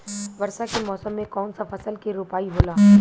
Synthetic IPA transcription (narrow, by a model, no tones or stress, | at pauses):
ʋɐɾsakemɔːsəmːẽkɔːnsafʰɐsəlkiɾoːpaːiɦoːlaː